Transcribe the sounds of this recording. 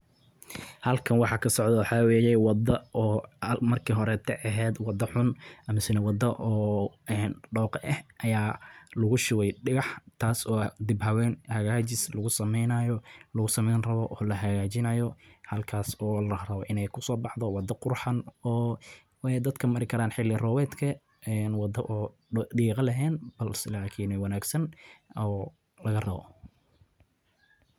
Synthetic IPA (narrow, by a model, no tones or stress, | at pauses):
hɐlkʰɐnwɑħɑːkʰɐsɔʕd̪ɔwɑħɑːwɛːjɛwɑd̪ɐɔːmɐrkʰiːɦɔɾɛt̪ʰɛʔɐɦɛːd̪wɑd̪ɐħʊnʔɐmɪsɪnɛwɑd̪ɐʔɔːɛːnɖɔːqʔɛhʔɐjaːlʊɣʊʃʊwɛjɖɪɣɑħt̪ʰaːsɔːd̪ɪbɦɐwɛːnhɐɣaːt͡ʃɪslɐɣʊsɐmɛjnɐjɔlɐɣʊsɐmɛjnrɐβɔʔɔːlɐɦɐɣaːt͡ʃɪnɐjɔhɐlkʰaːsɔːlɐrɐβɔʔɪnɛjkʰʊsɔːbɑħd̪ɔwɑd̪ɐqʊrħɑnɔː | wd̪ɐd̪kʰɐmɐɾɪkʰɐɾaːnħɪlɪrɔːwɛːd̪kʰɐ | ɛnwɑd̪ɐʔɔː | ɖiːqɐlɐɦɛːnbɐlsɪlaːkʰɪːnɛwɑnaːɡsɐnɔː | lɐɣɐrɐβɔ̰